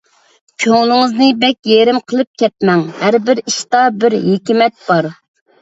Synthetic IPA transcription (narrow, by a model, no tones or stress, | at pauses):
kʲʰøŋlˠɪŋɨznɨbɛkʲjeɾɪmqʰəlˠɨp̚kʲʰɛt̪̚mɛŋhæɾbɪɾiʃt̪ɑbɪɾɦekʲimɛt̪̚b̥ɑɾ